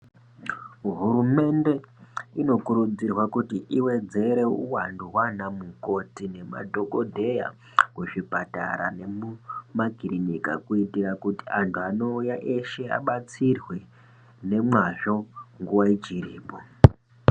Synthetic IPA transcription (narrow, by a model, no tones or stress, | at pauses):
ɦuɾume̞nde̞ino̞kuɾud͡zirwakutiʔiwe̞d͡ze̞ɾe̞uwanduwanamuko̞tine̞ma̰dʱo̞kodʱe̞ja̰ | kuʐipata̰ɾa̰ne̞mumaɡʱiɾinika̰kuitirakuti̥antʰuano̞ujaʔe̞ʃe̞a̰ɓat͡sirwe | ne̞mwaʐo̞ŋɡuwait͡ʃiriːpo